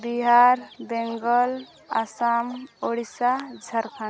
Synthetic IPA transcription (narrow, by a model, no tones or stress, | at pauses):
biɦaɾbeŋɡəl | a̰samoɽisad͡ʒʱəɾkʰa